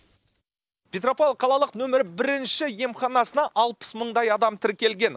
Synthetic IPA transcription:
pʲet̪ro̞poqʰɑlˠɑlˠəqnɵmɪɾɪbɪɾɪnʃɪje̞mχɑnɑsənɑʔɑlˠpə̥sməɴd̪ɑjɑd̪ɑmt̪ʰɪɾkʲe̞lɡʲe̞n

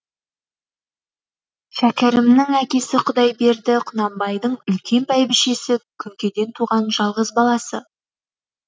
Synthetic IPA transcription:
ʃækʲɪɾɪmnɪŋækʲe̞sɪqʰʊd̪ɑjbe̞ɾd̪ɪqʰʊnɑmbɑjd̪əɴʏlkʲe̞npʰæjbɪʃe̞sɪkʲʰʏŋkʲe̞d̪e̞nt̪ʰuʁɑnʒɑlˠʁəzbɑlˠɑsə

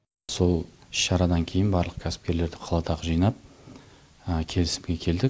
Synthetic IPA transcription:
so̞lˠɪʃːɑɾɑd̪ɑŋkʲʰe̞jɪnbɑɾlˠəq̚kʲʰæsɪ̥p̚kʲe̞ɾle̞ɾd̪ɪqʰɑlˠɑt̪ɑʁəʒijnɑp̚ | əkʲʰe̞lɪsɪmɡʲe̞kʲʰe̞ld̪ɪ

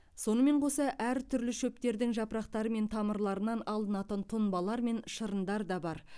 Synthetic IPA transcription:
so̞nəme̞ɴqʰo̞sɑʔæɾt̪ʰʏɾlɪʃɵp̚t̪e̞ɾd̪ɪŋʒɑpəɾɑqt̪ɑɾəme̞nt̪ʰɑməɾlˠɑɾənɑnɑlˠd̪ənɑt̪ənt̪ʰʊnbɑlˠɑɾme̞nʃəɾənd̪ɑɾd̪ɑbɑɾ

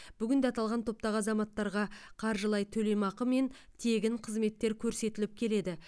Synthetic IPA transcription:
b̥ʏɡʲɪnd̪eɑt̪ɑlˠʁɑnt̪ʰo̞p̚t̪ɑʁɑzɑmɑt̪ːɑɾʁɑqʰɑɾʒəlˠɑjt̪ʰɵlejmɑqəme̞n | t̪ʰe̞ɡʲɪɴqʰəzme̞t̪ːe̞ɾkʲʰɵɾse̞t̪ɪlɪp̚kʲʰe̞le̞d̪ɪ

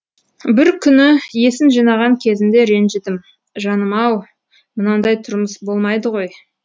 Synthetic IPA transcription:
bɪɾkʲʰʏnɪje̞sɪnʒijnɑʁɑŋkʲʰe̞zɪnd̪e̞ɾe̞nʒɪd̪ɪm | ʒɑnəmɑw | mənɑnd̪ɑjt̪ʰʊɾməsbo̞lˠmɑjd̪əʁo̞j

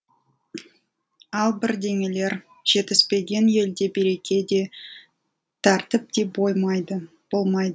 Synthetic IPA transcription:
ɑlˠbɪɾd̪e̞ŋe̞le̞ɾ | ʒ̥e̞t̪ɪspe̞ɡʲe̞nje̞ld̪e̞beɾe̞kʲʰe̞d̪e̞ | t̪ʰɑɾt̪ɪp̚t̪e̞bojmɑjd̪ə | b̥o̞lˠmɑjd̪ə

